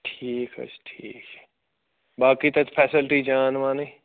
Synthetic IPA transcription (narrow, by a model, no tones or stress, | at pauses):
ʈʰiːkɦə̰t͡ʃʈʰiːkː | baːkiːt̪ət͡ʃpʰɛːsɪlʈiːd͡ʒaːnʋãːneː